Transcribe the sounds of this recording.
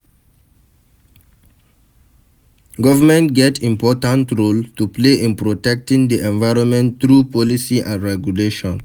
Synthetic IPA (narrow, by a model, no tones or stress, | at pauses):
ɡɔvəmɛ̃ntɡɛtʰĩmpɔtãntɹoltupleʔĩnpɹotɛk̚tĩŋd̪iʔɛ̃nvaɪɹɔ̃nmɛ̃ntt̪ɹupɔlisiʔãnɹɛɡjuleʃɔ̃n